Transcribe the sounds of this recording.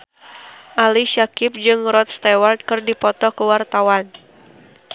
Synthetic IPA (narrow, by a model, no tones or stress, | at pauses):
ʔaliʃakɪp̚d͡ʒɨŋɾɔt̪̚st̪awart̪̚kɨrdipɔt̪ɔkəwart̪awan